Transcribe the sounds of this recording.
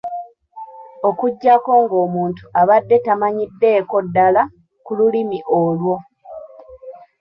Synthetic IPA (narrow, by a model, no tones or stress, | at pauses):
o̞kuɟːako̞ːŋɡo̞ːmuːntu̥aβadːe̞tamaɲidːe̞ːko̞dːala | kululimiʔolwo̞